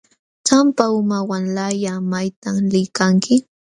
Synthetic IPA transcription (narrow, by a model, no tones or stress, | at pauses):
t͡ʃampaʊmawanlajamajt̪amlɪjkaŋkɪ